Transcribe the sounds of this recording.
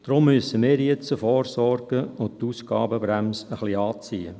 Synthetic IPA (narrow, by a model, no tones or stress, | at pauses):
d̥ɾʊmːyəsəmɪːɾjɛt͡səfɔːrsɔrɡ̥əʊnt̪uːsɡ̥ɑ̰ːbəbɾæmsəχliɑːt͡siːə̰